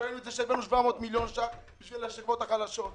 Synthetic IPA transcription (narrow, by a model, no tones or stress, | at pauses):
enuet̪zeʃebenuʃvamoːt̪miljonʃa | biʃvilaʃivot̪aχalaʃot̪̚